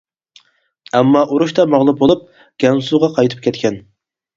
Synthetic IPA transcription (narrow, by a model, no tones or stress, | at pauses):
æmːɑʔuɾuʃt̪ɑmɑʁlˠup̚bolˠup̚ | ɡ̥ʲɛnsuʁɑqʰɑjt̪ʰɨ̥p̚kʲʰɛt̪kʲʰɛn